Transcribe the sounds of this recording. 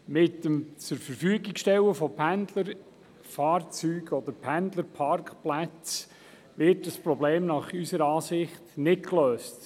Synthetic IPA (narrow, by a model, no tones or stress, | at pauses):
mɪtːəmt͡səɾfəɾfyːəɡɪksʃtɛwəfɔpʰændləɾ | fɑːrt͡syːɡɔd̪əɾpʰænd̪ləɾpʰɑɾkχplæt͡s | ʋɪɾtəspɾɔbleːmnɑχysəɾɑːsɪχtnɪtkløːst